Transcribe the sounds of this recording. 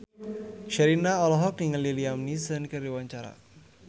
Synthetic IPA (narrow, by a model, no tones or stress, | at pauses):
ʃəɾinaɔlɔɦɔk̚niŋəliliamnisənkəriwaɲt͡ʃaɾa̰